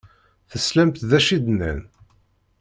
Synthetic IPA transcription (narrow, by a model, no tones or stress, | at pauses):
θəslæmt̪ðæʃid̪næ̰n